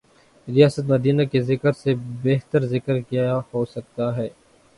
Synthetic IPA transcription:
ɾijaːsət̪̬mɐd̪iːnakezɪkəɾsebeɦt̪əɾzɪkəɾkijahosɐk̚t̪aɦɛː

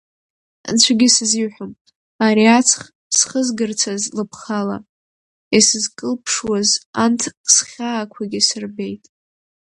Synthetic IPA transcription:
nt͡ɕʷʰaɡʲɪsɨziwħʷᶣʊm | aɾiat͡sʰχ | sχəzɡɨrt͡sʰazlɨpʰχala̰ | isɨzkʼɨlpʰʂwazantʰsχʲaːkʷʰaɡʲisɨrbe̞jtʼ

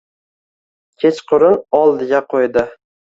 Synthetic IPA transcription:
kʲʰe̞t͡ʃqʰʊɾɪnɒlˠd̪ɪɡʲaqʰojd̪ɪ

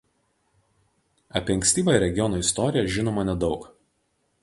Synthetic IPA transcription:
ɐpʲiɐŋksʲt̪ʲiːbɐɪɾʲɛɡʲɪjɔnoːɪst̪ɔɾʲɪjɛʒʲɪnoːmɐnʲɛd̪ɒʊk

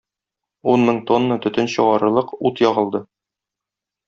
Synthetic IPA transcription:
unmɘŋt̪onːət̪ɵ̆t̪ɘnɕŏʁɑɾɤ̆lˠɤqut̪jɒʁɤ̆lˠd̪ɤ

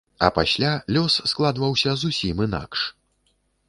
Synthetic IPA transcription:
ɐ̰pasʲlʲalʲɔsːklˠad̪vɐwsʲɐzusʲimɨna̰kʂ

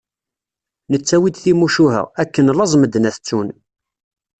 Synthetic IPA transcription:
nət͡sːæwid̪θimuʃuɦə̰ʁækːənlɑzˤməd̪næθt͡sːun

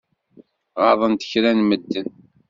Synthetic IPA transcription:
ʁɑðˤənt̪ə̥çɾænməd̪ːən

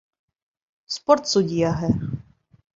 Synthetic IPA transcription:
spɔɾt̪sudʲijaɦɛ

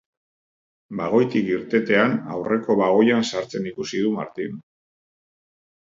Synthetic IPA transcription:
baɣo̞jt̪ikiɾt̪e̞t̪e̞ana̰wre̞ko̞βaɣ̞o̞jansaɾt͡se̞nikusið̞uma̰ɾt̪in

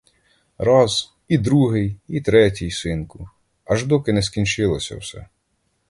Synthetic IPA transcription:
ɾɑz̥ | id̪ɾuɦɪjit̪ɾɛtʲijsɪnkʊ | ɐʒd̪ɔkɪnɛskʲint͡ʃɪlˠɔsʲɐ̰wsɛ̰

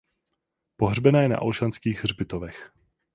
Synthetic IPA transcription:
poɦr̝bɛnaːjɛna̰ʔolʃanskiːɣrbɪt̪ovɛx

